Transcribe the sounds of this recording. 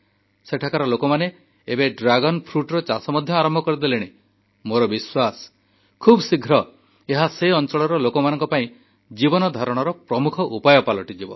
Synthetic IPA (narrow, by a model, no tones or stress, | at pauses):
seʈʰakaɾɔlokɔmane | ebeɖɾaɡɔnpʰɾuʈɾɔt͡ʃasɔmɔd̪ʱjɔaɾɔmbʱɔkɔɾid̪eleɽ̃e | moɾɔbiswasɔ̥ | kʰubsiɡʱɾɔ | eɦaseɔnt͡ʃɔɭɔɾɔlokɔmanɔŋkɔpaĩ | d͡ʒibɔnɔd̪ʱaɾɔɽ̃ɔɾɔpɾɔmukʰɔʔupajɔpalɔʈid͡ʒibɔ̰